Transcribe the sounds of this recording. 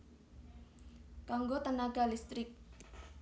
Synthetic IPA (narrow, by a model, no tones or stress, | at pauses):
kaŋɡot̪ənaɡalist̪ɾɪk̚